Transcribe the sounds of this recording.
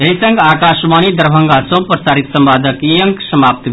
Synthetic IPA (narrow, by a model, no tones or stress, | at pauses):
eɦisɐ̃ŋɡaːkaːʃmaːnid̪əɾbʱə̃ŋɡasõpɾəsaːɾit̪səmbaːd̪ʱəkiəŋksɐmaːp̚t̪